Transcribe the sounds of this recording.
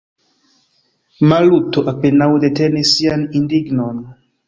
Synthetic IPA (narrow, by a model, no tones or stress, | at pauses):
malut̪oʔapenawd̪et̪enesianind̪iɡnon